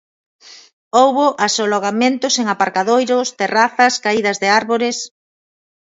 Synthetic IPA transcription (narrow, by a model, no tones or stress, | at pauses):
owβʊʔasoloɣ̞amẽnt̪ʊseŋapaɾkaðojɾʊst̪eraθɐskaiðɐzðeaɾβoɾɪs